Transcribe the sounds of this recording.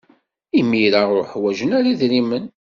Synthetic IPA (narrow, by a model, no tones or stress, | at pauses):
imːiɾaʊɾħwæʒənaɾaðɾimən